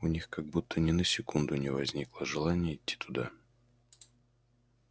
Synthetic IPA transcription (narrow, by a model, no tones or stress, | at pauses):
ʊnʲixkaɡ̚but̪ʰːənʲɪnəsʲɪkund̪ʊnʲɪvɐzʲnʲiklˠəʐɨlˠanʲɪjəɪtʲːi̥t̪ʊd̪a̰